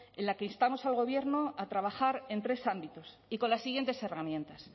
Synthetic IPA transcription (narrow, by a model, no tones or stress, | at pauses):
e̞nlake̞inst̪amo̞salɣo̞βje̞ɾno̞at̪ɾaβ̞axaɾe̞nt̪ɾe̞sambit̪o̞s | iko̞nlasːiɣjent̪e̞se̞ramjẽ̞nt̪as